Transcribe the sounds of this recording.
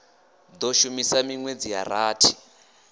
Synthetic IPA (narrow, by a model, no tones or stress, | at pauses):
d̪oʃumisamiŋwed͡zija̰ɾaːtʰi̥